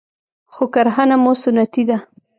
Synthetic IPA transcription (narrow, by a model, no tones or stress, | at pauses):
xokaɾɦanamosʊnat̪id̪a